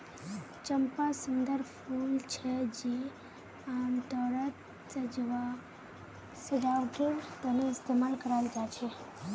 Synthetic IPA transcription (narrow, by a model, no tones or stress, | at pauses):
t͡ʃəmpasənd̪əɾfult͡ʃʰed͡ʒe | amt̪ɔɾət̪ | səd͡ʒʋa | səɖawʈiɾt̪əneɪst̪emalkəɾajld͡ʒat͡ʃʰe